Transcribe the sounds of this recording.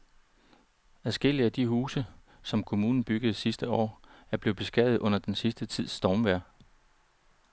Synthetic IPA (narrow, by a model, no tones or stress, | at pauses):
æðˠsɡ̥el̰iæd̥iɦuːsə | sɒ̽mkʰo̝muːnn̩b̥yɡ̥əð̩ˠsisd̥əɒ̰ːæɐb̥le̝ːb̥e̝sɡ̥æðð̩ˠʔɔ̽n̰ɐd̥ensisd̥ət͡sʰið̞̰ˠsd̥ɒːmʋæɐ̰